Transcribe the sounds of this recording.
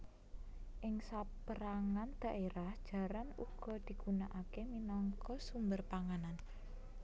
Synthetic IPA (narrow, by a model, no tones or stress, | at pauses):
ʔɪŋsapəɾaŋand̪̥a̤ʔeɾahd̥ʒ̥a̤ɾanṵɡ̥ɔ̤d̪̥i̤ɡ̥unaʔakeminɔŋkɔsumbərpaŋanan